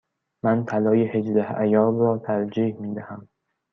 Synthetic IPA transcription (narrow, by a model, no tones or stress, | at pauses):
mænt̪ʰælɒːjehed͡ʒd̪æhæjɒːɾɾɒːt̪ʰæɾd͡ʒiːhmiːd̪æhæm